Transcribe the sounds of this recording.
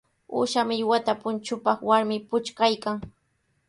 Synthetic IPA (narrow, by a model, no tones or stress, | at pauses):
ṵːʃamɪjwat̪apʊnt͡ʃʊpɑχwaɾmɪpʊt͡ʃkajkaŋ